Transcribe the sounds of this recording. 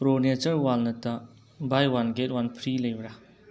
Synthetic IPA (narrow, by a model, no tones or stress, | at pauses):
pɾonet͡ʃəɾwalnɐta | bajwanɡet̚wanpʰɾiləjbɾa